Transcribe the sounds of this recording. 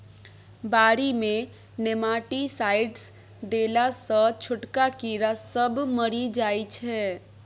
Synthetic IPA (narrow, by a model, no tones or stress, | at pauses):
baːɾimẽ | nemaːʈisaːɪɖs | d̪eːlasə̃t͡ʃʰʊʈkakiɾasəbməɾid͡ʒaːit͡ʃʰɛː